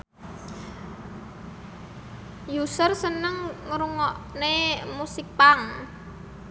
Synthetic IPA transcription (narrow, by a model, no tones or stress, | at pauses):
jusərsənəŋŋəɾuŋɔʔnemusɪk̚paŋ